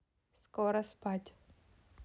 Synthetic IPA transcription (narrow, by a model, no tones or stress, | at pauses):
skɔɾɐspatʲ